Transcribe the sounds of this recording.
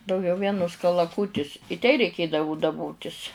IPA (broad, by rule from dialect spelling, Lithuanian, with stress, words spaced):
dɐʊˈɡʲɛʊ ˈʋʲiɛnʊs kɐlˠɐˈkuːtʲɪs ɪ tʲɛɪ rʲɛɪˈkʲeːdɐʋʊ dɐˈboːtʲɪsʲ